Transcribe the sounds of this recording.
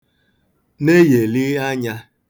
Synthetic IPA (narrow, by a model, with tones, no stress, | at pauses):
ne˦je˨li˦a˦ɲa˦